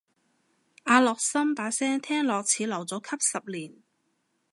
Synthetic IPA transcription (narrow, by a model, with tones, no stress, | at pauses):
ʔaː˧lɔː˨k̚sɐ˥mpaː˨˥sɛː˥ŋt̪ʰɛː˥ŋlɔː˨k̚t͡sʰiː˨˧˥lɐ˨˩wt͡sɔː˨˥kʰɐ˥p̚sɐ˨p̚liː˨˩n